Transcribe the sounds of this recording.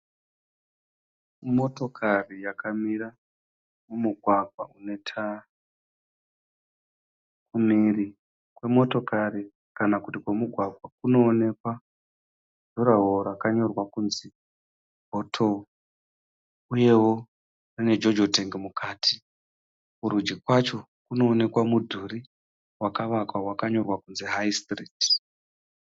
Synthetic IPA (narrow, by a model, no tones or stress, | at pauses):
mo̞to̞kʰarijakʰamiɾa | mumuɡʱwaɡʱwaune̞tʰa | kumiːri | kwe̞mo̞to̞kari | kanakutikwemuɡʱwaɡʱwakuno̞ːne̞kwa | dʱuɾaɦoɾakaɲo̞rwakunzi | bʱotʰo̞ | uje̞wo̞ | rine̞d͡ʒo̞d͡ʒoteŋɡemukʰaːtʰi̥ | kuɾud͡ʒikwat͡ʃo̞ | kuno̞ːne̞kwamudʱuri | wakaʋakwawakaɲo̞rwakunziɦajstriːt